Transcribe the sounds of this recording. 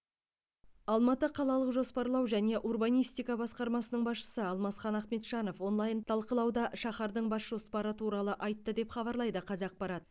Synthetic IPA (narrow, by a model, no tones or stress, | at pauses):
ɑlˠmɑt̪əqʰɑlˠɑlˠəqʒo̞spɑɾlˠɑwʒæne̞ʔurbɑnijst̪ijkɑbɑsqɑɾmɑsənəɴbɑsʃə̥səɑlˠmɑsχɑnɑχme̞t̪ʃɑno̞fwo̞nlˠɑjənt̪ʰɑlˠqəlˠɑwd̪ɑʃɑχɑɾd̪əɴbɑsʒ̥o̞spɑɾət̪ʰuɾɑlˠəʔɑjt̪ːəd̪e̞pχɑbɑɾlˠɑjd̪əqʰɑzɑq̚pɑɾɑt̪